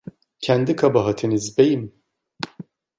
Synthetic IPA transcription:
cʰænd̪ikʰabɑɦat̪ʰinizbejim

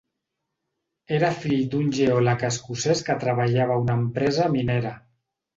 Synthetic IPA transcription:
eɾafiʎd̪unʲʒeolakaskuseskət̪ɾaβaʎaβ̞aunampɾɛzamineɾa

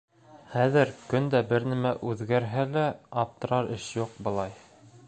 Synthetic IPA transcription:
χæðɘɾkɵnd̪æbɘɾnæmæʔʉðɡæɾɦælæɑp̚t̪ɤ̆ɾɑɾɘʃjuq̚bɤ̆lˠɑj

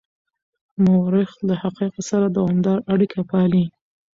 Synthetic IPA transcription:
mawɾɪxlahaqiqasaɾad̪awɑmd̪ɑɾaɽikʰapɑli

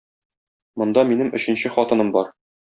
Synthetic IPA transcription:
mŏnd̪ɑminɘmʔɵ̆ɕɘ̆nɕɘχɒt̪ɤ̆nɤmbɒɾ

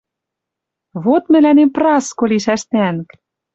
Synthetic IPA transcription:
βot̪mɘ̆lænemprɑskoliʃæʃt̪ænk

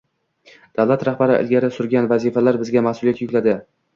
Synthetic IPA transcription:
d̪̥awlat̪ɾahbaɾɪʔɪ̰lɡʲaɾɪsʊɾɡʲanvazifalaɾbɪzɡʲamahsʊlˠijat̪jʊkʲlad̪ɪ

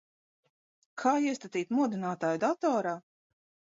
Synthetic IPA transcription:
kʰaːiɛst̪at̪iːt̪muɔd̪inaːt̪aːjud̪at̪ɔːɾaː

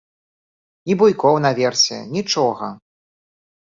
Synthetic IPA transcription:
ibujkɔwnɐvʲɛrsʲɛ̰nʲit͡ʂɔɣɐ

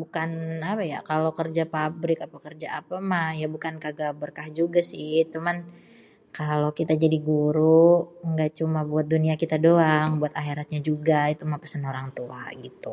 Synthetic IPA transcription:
bukanapaja̰kalokərd͡ʒapabɾɪkapakərd͡ʒaapamahjabukankaɡabərkahd͡ʒuɡasɪht͡ʃuman | kalokit̪ad͡ʒadiɡuɾuŋɡaʔt͡ʃumabuat̪̚duniakit̪adoaŋbuat̪aɦeɾat̪̚ɲad͡ʒuɡait̪umapəsənoɾaŋt̪ua̰ɡit̪u

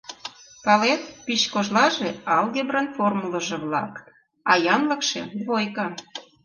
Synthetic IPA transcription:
pɑlet̪piɕkoʒlɑʒeɑlɣebrenformulə̆ʒĕβlɑ̰k | ɑjɑnləkʃḛβojkɑ

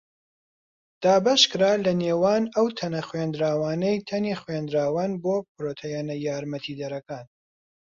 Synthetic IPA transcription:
d̪̥aːbɐʃkɨɾaːlɐneːwaːnɐwt̪ʰɐnɐxweːnd̪ɾaːwaːnejt̪ʰɐniχweːnd̪ɾaːwaːnboːpɾoːt̪ʰejɛnɐjaːɾmɐt̪ʰiːd̪ɐɾɐkaːn

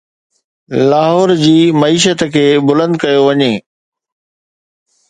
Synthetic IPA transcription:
laːɦɔːɾd͡ʑiːmɐiːʃət̪kʰeːbʊlə̃nd̪kɐjoʋɐɲeː

